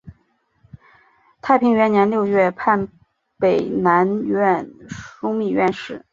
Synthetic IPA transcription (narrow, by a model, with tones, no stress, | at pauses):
t̪ʰa˥˩ɪpʰi˧˥ŋɥɛ˧˥nnjɛ˧˥nljo˥˧ʊɥɛ˥˩pʰa˥˩n | pe˨˩ɪna˧˥nɥɛ˥˧nʂʊ˥ŋmi˥˧ɥɛ˥˧nʂɻ̩˥˩